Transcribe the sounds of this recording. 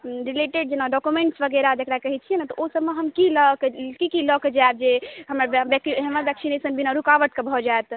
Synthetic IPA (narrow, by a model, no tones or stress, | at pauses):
ɾileʈeɖ̚d͡ʒenaɖɔkumeɳʈsbəɡeɾad͡ʒekɾakəɦɛt͡ʃʰijɛnat̪ɔʔosəbːeɦəmkiləkekikilɔked͡ʒab̚d͡ʒeɦəməɾbɛkɦəmabɛksinesənbinaɾukaʋəʈ̪̚kebʱɔd͡ʒaet̪